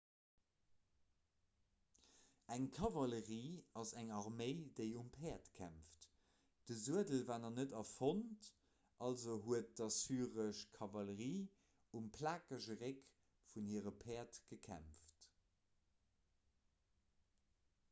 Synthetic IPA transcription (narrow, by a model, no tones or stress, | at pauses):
æŋkʰɑvɑləʁiːɑzæŋɑʁmeɪdeɪumpʰɛːɐtkʰæ̰mft | d̥əzuədəlvaːnɐnədɑfont | ʔɑlzoɦuət̚d̥ɑsyːʁəʃkʰɑvɑləʁiː | umpʰlaːkəʒəʁek | funhiːəʁəpʰɛːɐtɡ̥əkʰæ̰mft